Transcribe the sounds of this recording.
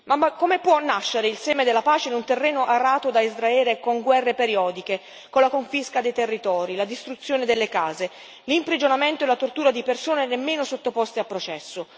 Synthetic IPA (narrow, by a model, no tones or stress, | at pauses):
mamakːomepːwɔnːaʃːeɾeilsɛːmed̪elːapaːt͡ʃenunt̪erːɛːnoʔarːaːt̪od̪aizɾaɛːlekoŋɡwɛrːepeɾjɔːd̪ike | kolakoɱfiskad̪ejt̪erːit̪ɔːɾilad̪ist̪ɾut̪sːjoːned̪elːekaːze | limpɾid͡ʒonament̪oelat̪ort̪uːɾad̪ipersoːnenemːeːnosot̪ːopɔst̪eapːɾot͡ʃɛsːo